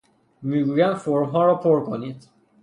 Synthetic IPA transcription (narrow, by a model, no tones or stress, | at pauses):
miːɡuːjæmfoɾmɦɒːɾɒːpʰoɾkʰoniːd̪̥